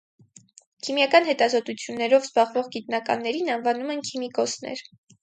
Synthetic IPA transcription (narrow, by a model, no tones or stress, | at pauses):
kʰimjɑkɑn̪hɛt̪ɑzɔt̪ut͡sʰjunːɛɾɔvzbɑʁvɔʁɡit̪nɑkɑ̰nːɛɾinɑnvɑnumɛnkʰimikɔsnɛ̰ɾ